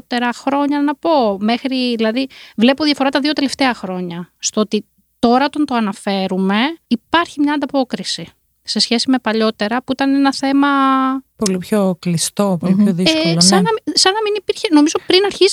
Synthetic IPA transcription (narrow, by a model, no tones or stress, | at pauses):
t̪e̞ɾɐxɾo̞ɲɐnɐpo̞me̞xɾiðilɐðivle̞poðijɐfo̞ɾɐt̪ɐðio̞t̪ele̞ft̪e̞ɐxɾo̞ɲɐst̪oot̪i | t̪o̞ɾɐt̪ont̪o̞ɐnɐfe̞ɾume̞ipɐɾçimɲɐːnd̪ɐpo̞kɾisi | se̞sçe̞sime̞pɐʎo̞t̪e̞ɾɐpuit̪ɐnenɐθe̞mɐpo̞lipço̞klist̪o̞polipçoðieskosɐnɐsɐnɐminipiɾçeno̞mizopɾinɐɾçiz